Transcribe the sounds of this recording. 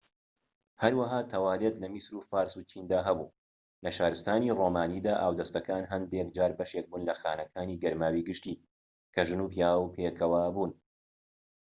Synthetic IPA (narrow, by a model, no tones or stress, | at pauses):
hɐɾwɐɦaːt̪ʰɐwaːlet̪lɐmisɾufaːɾsut͡ʃʰiːnd̪aːɦɐbṵː | lɐʃaːɾɨst̪aːniroːmaːniːd̪aːʔaːwd̪ɐst̪ɐkaːnɦɐnd̪ek̚d͡ʒaːɾbɐʃek̚buːnlɐxaːnɐkʰaːniːɡɐɾmaːwiɡɨʃt̪iː | kʰɐʒɨnupjaːwpʰeːkʰɐwaːbuːn